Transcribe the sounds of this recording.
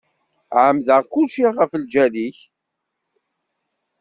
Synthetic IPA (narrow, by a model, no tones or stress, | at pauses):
ʕəmðəʁkulʃiʁəfəld͡ʒæliç